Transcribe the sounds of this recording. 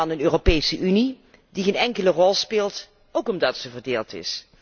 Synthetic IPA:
ɑnənøːropejsəʔyni | diχeːnɛŋkələrɔlˠspɪːlˠt | owkɔmdɑtsəvərdeːlˠtɪ̰s

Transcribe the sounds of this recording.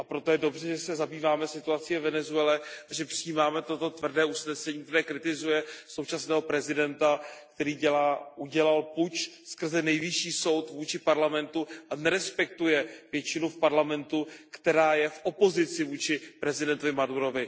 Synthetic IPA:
ʔapɾo̞t̪ojɛdo̞br̝ɛʒɛsɛzabiːvaːmɛsɪt̪uat͡sɪvɛvɛnɛzuɛlɛʔaʒɛpr̥ijiːmaːmɛt̪o̞t̪o̞t̪vr̩dɛːʔusnɛsɛɲiːk̚t̪ɛɾɛːkɾɪt̪ɪzujɛso̞wt͡ʃasnɛːɦo̞pɾɛzɪdɛnt̪ak̚t̪ɛɾiːɟɛlaʔuɟɛlalput͡ʃskr̩zɛnɛjvɪʃiːso̞wt̪vuːt͡ʃɪpaɾlamɛnt̪uʔanɛɾɛspɛk̚t̪ujɛvjɛt͡ʃɪnufpaɾlamɛnt̪ukt̪ɛɾaːjɛfʔo̞po̞zɪt͡sɪvuːt͡ʃɪpɾɛzɪdɛnt̪ovɪmaduɾo̞vɪ

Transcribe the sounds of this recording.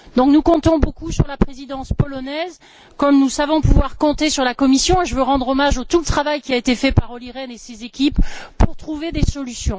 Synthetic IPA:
d̪ɔ̃k̚nukɔ̃t̪ɔ̃bokusyʁlapχezid̪ɑ̃spɔlɔnɛz | kɔmnusavɔ̃puvwaʁkɔ̃t̪esyʁlakɔmisjɔ̃eʒəvøʁɑ̃d̪ʁɔmaʒot̪ulət̪χavajkʲiaet̪efɛpaʁɔliʁɛnesezekʲippːuʁt̪χuved̪esɔlysjɔ̃

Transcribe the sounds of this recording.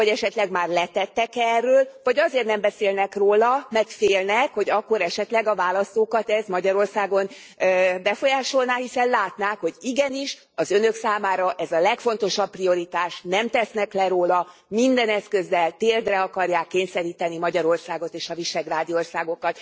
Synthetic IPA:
ɒɟɛʃɛt̪lɛɡmaːrlɛt̪ɛt̪ːɛkɛrːøːlvɒɟɒzeːrtnɛmbɛseːlnɛkroːlɒmɛrt̪feːlnɛkho̞ɟɒkːo̞ɾɛʃɛt̪lɛɡɒvaːlɒst̪oːkɒt̪ɛzmɒɟɒɾo̞rsaːɡo̞n | bɛfo̞jaːʃo̞lnaːhisɛnlaːt̪naːkho̞ɟiɡɛniʃ | ɒzønøksaːmaːɾɒʔɛzɒlɛkfo̞nt̪o̞ʃɒpːrio̞ɾit̪aːʃnɛmt̪ɛsnɛklɛɾoːlɒ | mind̪ɛnɛskø̞zːɛlt̪eːrd̪rɛɒkɒrjaːkːeːɲsɛɾiːt̪ɛnimɒɟɒɾo̞rsaːɡo̞t̪eːʃɒviʃɛɡraːd̪io̞rsaːɡo̞kɒt̪

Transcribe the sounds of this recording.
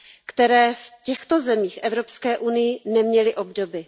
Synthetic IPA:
kt̪ɛɾɛːfcɛxt̪o̞zɛmiːxʔɛvɾo̞pskɛːʔunɪjɪnɛmɲɛlɪʔo̞bdo̞bɪ

